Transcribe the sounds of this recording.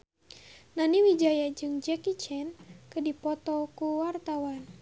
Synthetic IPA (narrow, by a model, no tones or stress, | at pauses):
naniwid͡ʒajad͡ʒɨŋd͡ʒɛkit͡ʃɛnkɨdipɔt̪ɔkuwart̪awan